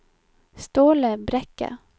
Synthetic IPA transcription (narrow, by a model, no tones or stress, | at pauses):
st̪oːləbɾɛkːa̰